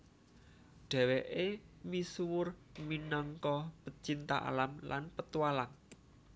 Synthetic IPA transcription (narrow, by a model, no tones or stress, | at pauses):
ɖ̥ɛ̤weʔemisuwʊrminɔŋkɔpət͡ʃint̪aʔa̰lamlʔa̰npət̪uwalaŋ